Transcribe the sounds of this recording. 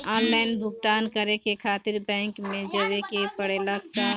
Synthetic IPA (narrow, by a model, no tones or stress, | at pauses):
aːnlaːɪnbʱʊɡt̪aːnkɐɾẽkekʰaːt̪ɪɾbɛ̃ːŋkmẽd͡ʒɐʋekepɐɽeləɡt̪a